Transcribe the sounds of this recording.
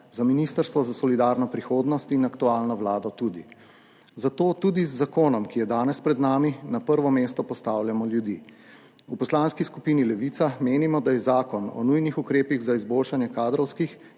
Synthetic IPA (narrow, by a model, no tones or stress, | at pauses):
zaminist̪əɾst̪ʋɔzasɔlid̪aːɾnɔpɾixoːd̪nɔst̪inakt̪uaːlnɔʋlaːd̪ɔt̪ud̪i | zat̪oːt̪ud̪izːakoːnɔmkijɛd̪aːnɛspɾɛd̪naːminapəɾʋɔmeːst̪ɔpɔst̪aːwljamɔljud̪ḭː | upɔslaːnskiskupiːnilɛʋiːt̪sameːnimɔd̪ajɛzaːkɔnɔ̰nujnixukɾeːpiɣzaizboːlʃanjɛkaːd̪ɾɔwskix